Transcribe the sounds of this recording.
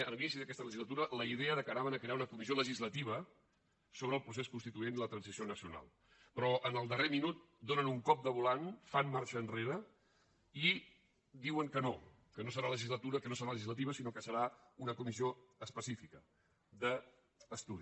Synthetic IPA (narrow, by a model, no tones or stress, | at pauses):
əlinisiðəkɛst̪ələʒizlət̪uɾələiðɛəðəkəɾaβənəkɾeaunəkumizioləʒizlət̪iβ̞ə | soβɾəlˠpɾus̬eskunst̪it̪uenilət̪ɾənsisionəsiuna̰lˠ | pɾɔʔənəlˠd̪əreminut̪̚ | d̪onənuŋkɔp̚d̪əβulanfanmaɾʃəːnreɾə | i | d̪iwəŋkəno | kənosəɾaləʒizlət̪uɾəkənosəɾaləʒizlət̪̬iβəsinokəsəɾaunəkumizioəspəsifikə | d̪əː | st̪uði